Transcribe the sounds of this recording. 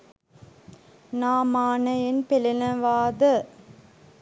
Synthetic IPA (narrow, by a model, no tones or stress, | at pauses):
naːmaːnɐjɪnpɛlɪnɐʋaːðɐ